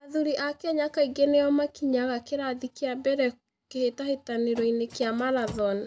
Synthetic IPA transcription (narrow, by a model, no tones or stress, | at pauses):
aðuɾiʔakeaɲakaiɡeneɔmakiɲaɣakeɾaðikeabɛɾɛ | kehetahetaneɾɔinekejamaɾaðɔn